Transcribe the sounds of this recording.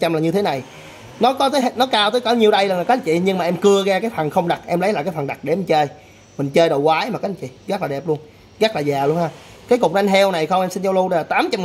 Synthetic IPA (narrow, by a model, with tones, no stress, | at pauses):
t͡ɕa˧mlaː˨˩ɲɨ˧t̪ʰe˨˦na˨˩j | nɔ˨˦kɔ˨˦t̪əː˨˦jɦnɔ˨˦kaː˧wt̪əː˨˦jkɔ˧˩˦ɲi˨˩əwɗə˧jləː˨˩laː˨˩kaː˧˦˥t͡ɕḭ˧˨ɲɨ˧ŋmaː˨˩ʔɛ˧mkɨ˧əɣaː˧kaː˨˦jfa˨˩ŋxə˧wŋ͡mɗa˨˩t̚ʔɛ˧mlə˨˦jlaː˨kaː˨˦jfə˨˩ŋɗa˨˩k̚ɗe˧˩˨ŋ̟t͡ɕəː˧j | mï˨˩ŋ̟t͡ɕəː˧jɗə˨˩wkwaː˨˦jmaː˨˩kaː˨˦t͡ɕḭ˧˨ɣa˦˥k̚laː˨˩ɗɛ˨˩p̚lu˧ən | ɣaː˦˥t̚laː˨˩zaː˨˩lu˧ənhaː˧ | kaː˨˦jkʊ˨˩k͡p̚nɔ˧ŋɦɛ˧wna˨˩jxə˧wŋ͡mʔɛ˧msi˧nt͡ɕɔ˧wlu˧ɗə˧jlaː˨˩t̪aː˨˦mt͡ɕa˧m